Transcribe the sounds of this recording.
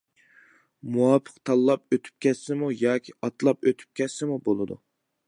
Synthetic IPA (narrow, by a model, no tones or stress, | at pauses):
muwɑpʰə̥qt̪ʰɑlˠːɑp̚øt̪ʰy̥p̚kʲʰɛssɪmujɑːkʲʰiɑt̪lˠɑpøt̪ʰy̥p̚kʲɛsɪmubolˠɨd̪ṵ